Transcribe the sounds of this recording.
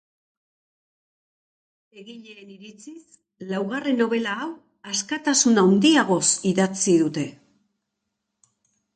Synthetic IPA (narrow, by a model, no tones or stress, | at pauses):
eɣiʎe̞ːniɾit͡sis | lawɣare̞nːo̞βe̞laːw | askat̪asunawnd̪iaɣ̞o̞siðat͡siðut̪e̞